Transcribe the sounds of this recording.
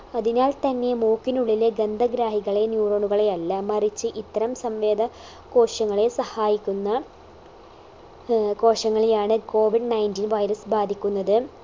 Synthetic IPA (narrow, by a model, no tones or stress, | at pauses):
ɐðinaːlt̪ɐnːe̞muːkːinuɭːileɡɐnd̪ʱɐɡɾaːɦiɣɐɭe̞njuːroːɳuɣɐɭe̞ɐlːɐmɐrit͡ɕːɨʔit̪ːɐɾɐmsɐmʋe̞ːd̪ʱɐ | ko̞ːʂɐŋːɐɭe̞sɐhaːjikʲːunːɐ | ko̞ːʂɐŋːɐɭejaːɳɨko̞ːʋiɖnɐjntiːnʋɐjɾɐsbaːd̪ʱikʲːunːɐðɨ